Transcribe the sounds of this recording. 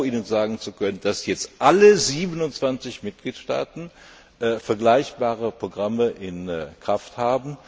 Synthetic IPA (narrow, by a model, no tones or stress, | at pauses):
ʔiːnənzaːɡŋ̩t͡sukʰœnənd̥asjɛt͡stʔaləziːbənʊntt͡sv̥ant͡sɪçmɪt̚ɡ̥liːtʃta̰ːtn̩ | fɛɐɡlaɪçb̥aːʁəpʁ̥oɡʁaməʔɪnkʁ̥afthaːbm̩